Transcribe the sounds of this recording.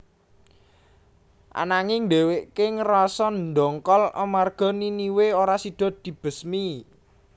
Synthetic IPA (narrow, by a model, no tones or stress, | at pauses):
ʔa̰naŋɪŋd̪eweʔkɪŋrɔsɔnd̪ɔŋkɔlɔ̰marɡ̥ɔ̤niniweoɾasid̪̥ɔ̤d̪̥i̤b̥ə̤smi